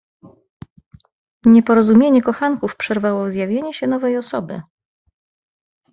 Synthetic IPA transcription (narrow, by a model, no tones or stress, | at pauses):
ɲɛpɔɾɔzumʲjeɲɛkɔxaŋkufpʂɛɾvawɔzjavʲjeɲɛɕɛnɔvɛjɔsɔbɘ̰